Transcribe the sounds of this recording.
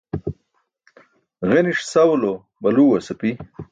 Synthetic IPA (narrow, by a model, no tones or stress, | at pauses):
ɣeniʂsɐwlo | bɐluːwɐsɐpi